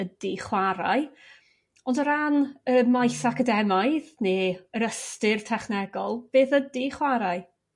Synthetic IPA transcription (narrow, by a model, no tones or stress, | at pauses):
ədiχwaɾaj | ɔndəɾanəmajsakədɛmajðneːəɾəstɪrtʰɛχnɛɡɔlˠb̥eːθədiχwaɾaɨ